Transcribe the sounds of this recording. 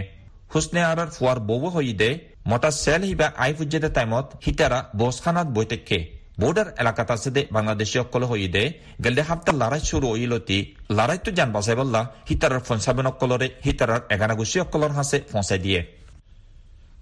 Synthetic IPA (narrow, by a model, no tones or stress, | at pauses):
husneaɾaɾfʰuwaɾboweɦojid̪ɛ | mɔʈasɛlhibaʔajpʰud͡ʒad̪et̪ajmɔt̪hit̪aɾabɔskʰanat̪̚bɔjt̪ekʰːe | boɖaɾɛ̰lakat̪ased̪ɛbaŋlad̪eʃiɔkːɔlɔɦojid̪ɛ | ɡɛld̪ɛɦap̚t̪alaɾajsuɾuojilot̪ilaɾajt̪ud͡ʒanbasajbalːahit̪aɾaɾpʰɔnsabɔnɔkːɔlɔɾehit̪aɾaɾɛɡanaɡusiɔkːɔlɔɾɦasefɔ̃sajd̪ije